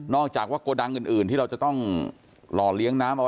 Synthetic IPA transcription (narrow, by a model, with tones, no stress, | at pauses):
nɔː˥˩k̚t͡ɕaː˨˩k̚waː˥˩koː˧da˧ŋʔɯː˨˩nʔɯː˨˩nt̪ʰiː˥˩a˧wt͡ɕa˨˩t̪ɔ˥˩ŋ | lɔː˧˩li˦˥əŋnaː˦˥mʔw